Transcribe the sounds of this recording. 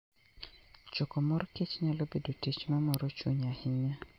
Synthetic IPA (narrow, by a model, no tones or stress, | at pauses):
t͡ʃokɔmɔɾɔket͡ʃɲalobedotet͡ʃmɛmɔɾɔt͡ʃo̰ɲahɪɲa